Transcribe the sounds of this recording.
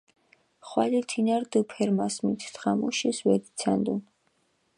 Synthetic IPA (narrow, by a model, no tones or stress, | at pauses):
χwalit̪ʰinaɾd̪upʰɛɾmasmit̪ʰt̪ʰχamuʃiswɛd̪it̪sʰand̪un